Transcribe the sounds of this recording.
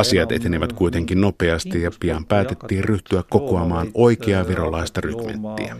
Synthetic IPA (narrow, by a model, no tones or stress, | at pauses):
ɑsiɑt̪e̞̰t̪e̞niʋæt̪kujt̪eŋkinno̞peɑst̪ijɑpiɑmpæːt̪e̞t̪ːiːrryht̪yækko̞koɑmɑːno̞jk̟eɑʋiɾo̞lɑist̪ɑrykmḛnt̪ːḭæ